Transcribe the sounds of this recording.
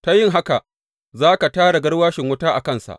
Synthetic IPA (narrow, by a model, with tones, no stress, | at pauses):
ta˦jɪ˦ŋɦa˦ka˨ʔ | zaː˦ka˨taː˦ɽa˨ɡɐ˦ɽwaː˦ʃɪ˨ŋwʊ˦taː˦ʔa˨kɐ˦˨nsa̰˨ʔ